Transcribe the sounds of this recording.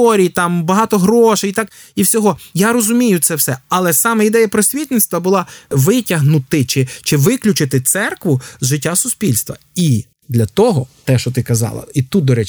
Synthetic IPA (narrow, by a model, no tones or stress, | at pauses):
ɔɾʲijt̪ɑmbɐɦɑt̪ɔɦɾɔʃɪjt̪ɑk | iwsʲɔɦɔjaɾɔzʊmʲijʊt̪sɛwsɛɐlˠɛsɑmɛid̪ɛjɐpɾɔsʲʋʲit̪ʲnɪt̪st̪ʋɐbʊlˠɑʋɪtʲɐɦnʊt̪ɪt͡ʃɪt͡ʃɪʋɪklʲʊt͡ʃɪt̪ɪt̪sɛrkʋʊzʒɪtʲːasʊspʲilʲst̪ʋɐ̰ | i | d̪lʲɐt̪ɔɦɔt̪ɛʃt͡ʃɔt̪ɪkɐzɑ̰lˠɐ̰it̪ut̪̚d̪ɔɾɛt͡ʃ